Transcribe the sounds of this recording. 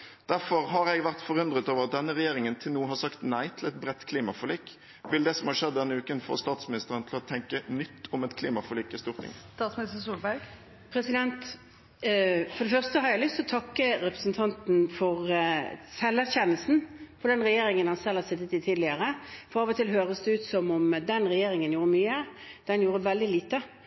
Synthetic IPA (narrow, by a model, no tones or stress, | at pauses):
d̪̥æɾfɔʁɦɑɾɛɡʋæʁt̪fɔʁʉnd̪ʁət̪oːʋəʁɑt̪̚d̪ɛnːəɾɛjeːʁɪŋənt̪ʰɪlnuːɦɑsɑkt̪næɪt̪ʰɪlɛt̪̚bɾɛt̪ːkʰliːmɑfɔliːk | ʋɪld̪ɛːsɔmhɑʂɛd̪ːɛnːəʉːkənfo̰ːst̪ɑːt̪smɪnɪst̪əʁənt̪ʰlɔt̪ʰɛŋkənʏt̪ʰːʊmɛt̪kʰliːmɑfɔliːkːɪst̪uːʁt̪ʰɪ̰ŋst̪ɑːt̪smɪnɪst̪əsuːlbæɡ | pʰɾɛsɪd̪ɛnt̪ | fɔd̪ɛfœʁst̪əhɑɾjæɪlʏst̪ʰɪlɔt̪ʰɑkːəɾɛpɾə̥sn̩t̪ʰɑnt̪n̩fɔʁsɛlːæʁçɛnːəlsn̩pʰɔd̪ɛnʁɛjeːɾɪŋənhɑnsɛlhɑsɪt̪ːət̪ɪt̪ʰiːd̪lɪəɾəfɔɑːʋɔt̪ʰɪlɦøːʁəsd̪ɛʉːt̪sɔmɔmd̪ɛnɾɛjeːɾɪŋənjuːɾəmyːəd̪̥ɛnjuːɾəʋɛld̪ɪliːt̪ə